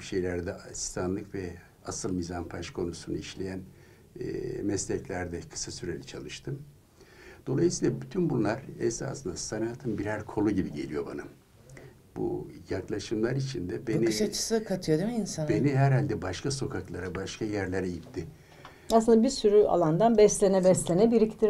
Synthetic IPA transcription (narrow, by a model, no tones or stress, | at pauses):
ʃe̞jlʲæɾd̪ɛasi̥st̪ʰanlˠɯkvɛ | asɯlˠmizanpʰaʃkʰo̞nusunuiʃlʲe̞jæn̰ | mɛslʲɛclʲæɾd̪ɛkʰɯ̥sasyɾelʲit͡ʃʰalˠɯʃt̪ʰɯm | d̪̥o̞lˠajɯsijːlˠabyt̪ʰynbunlˠaɾɛsa̰slɯnd̪asanaːt̪ʰɯnbiɾæɾkʰo̞lˠuɟibiɟe̞lʲijo̞ba̰na | bṵjaklˠaʃɯmlˠaɾit͡ʃʰind̪ɛbeniʃat͡ʃʰɯ̥sɯkʰat̪ʰɯjod̪emiinsanbe̞niɦæɾɦhalʲd̪ɛbaʃkaso̞kʰaklˠaɾabaʃkajæɾlʲeɾɛjipt̪ʰːɪ | asɯnd̪abisyɾya̰lˠand̪anbɛslʲenɛbɛslʲenɛbiɾict̪ʰiɾ